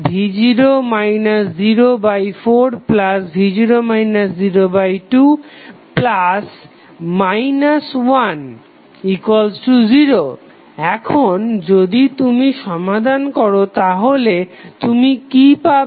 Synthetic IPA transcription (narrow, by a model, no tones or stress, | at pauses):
bʱid͡ʑiɾomajnasd͡ʑiɾobajfoɾplasbʱid͡ʑiɾomajnasziɾobajʈuplas | majnaswan | ikwalsʈud͡ʑiɾo | ɛkʰond͡ʑod̪it̪umiʃɔmad̪ʱankɔɾot̪aɦolet̪umikipa